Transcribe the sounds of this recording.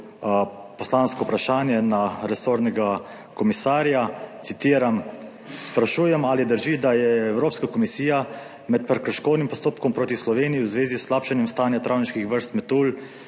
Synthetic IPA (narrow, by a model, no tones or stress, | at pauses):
pɔslaːnskɔwpɾaʃaːnjɛnaɾɛsoːɾnɛɡa | kɔmisaːɾjat̪sit̪iːɾam | spɾaʃuːjɛmaːlid̪əɾʒid̪ajɛːwɾoːpskakɔmisiːja | mɛt̪̚pɾɛkɾəɾʃkoːd̪nimpɔst̪oːpkɔmpɾoːt̪islɔʋeːnijiwzʋeːzisːlaːpʃanjɛmst̪aːnjat̪ɾʔaːwniʃkixʋəɾst̪mɛt̪uːl